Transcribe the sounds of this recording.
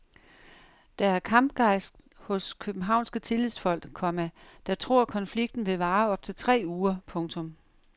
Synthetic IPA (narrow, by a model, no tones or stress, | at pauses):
d̥ɑ̈æɐkʰɑ̈mb̥ɡ̥ɑ̈ɪ̰sd̥ | hɔ̽skʰøb̥n̩ɦɑ̈ʊ̰nsɡ̥ət͡sʰe̝lið̰ˠsfɒ̽l̰ɡ̥kʰɒ̽mæd̥ɑ̈t͡sʰʁo̝ɐ̰kʰɒ̽nfliɡ̥d̥n̩ʋe̝ʋɑ̈ːɒ̽b̥̚t͡sʰe̝t͡sʰʁɛ̰ːuːɐpʰɔ̽ŋt͡sʰɔ̽m